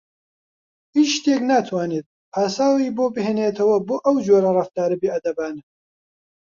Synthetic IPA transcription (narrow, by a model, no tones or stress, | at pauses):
hiʃt̪eːknaːt̪ʰwaːneːt̪̚ | aːsaːwiːboːbɨɦeːneːt̪ʰɐwɐboːʔɐwd͡ʒoːɾɐrɨft̪aːɾɨbiːʔɐd̪ɐbaːnɨ